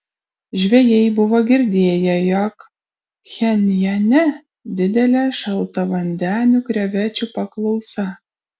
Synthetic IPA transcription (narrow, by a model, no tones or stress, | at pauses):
ʒʲʋʲɛjɛɪbʊʋɐɡʲɪɾʲd̪ʲeːjɛjɔk | xʲɛnʲjɛnʲɛ | d̪ʲɪd̪ʲɛlʲɛʃɐlˠt̪ɐʋɐnʲd̪ʲæːnʲʊkɾʲɛʋʲæt͡ʃʲupɐklˠɒʊsɐ